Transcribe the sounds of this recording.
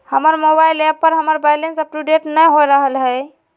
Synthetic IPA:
həməɾmobaɪlepːəɾɦəməɾbajlensəp̚ʈuɖeʈnəjɦoɾəɦəlɦɛ

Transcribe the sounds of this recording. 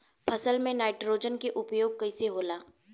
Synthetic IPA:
pʰɐsəlmẽnaːɪʈɾoːd͡ʒənkeʔʊpjoːɡ̚kɐɪseɦoːlaː

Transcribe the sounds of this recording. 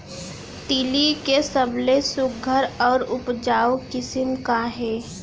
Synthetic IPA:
t̪ilikesəblesʊk̚ɡʱəɾɔːɾʊpd͡ʒaːwkɪsəmkaɦɛː

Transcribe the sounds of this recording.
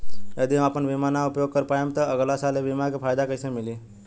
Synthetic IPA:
jəd̪iɦãapənʋimanaʊpjoːɡ̚kəɾpajemt̪əəɡlasaːleʋimakepʰaːjd̪akəɪsemɪli

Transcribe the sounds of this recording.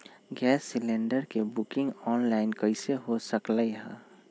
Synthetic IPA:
ɡɛːsːɪlẽːɳɖəɾkebʊkɪ̃ŋɡɔːnlaːɪnkəɪseɦosəkləiɦɛ̰̃

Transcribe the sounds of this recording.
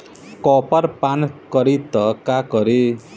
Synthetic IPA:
kɔpʌɾpankʌɾit̪ʌkakʌɾe

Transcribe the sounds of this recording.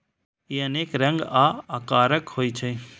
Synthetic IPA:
iːəneːkɾə̃ŋɡaːakaːɾəkhoːit͡ʃʰə̃ĩ

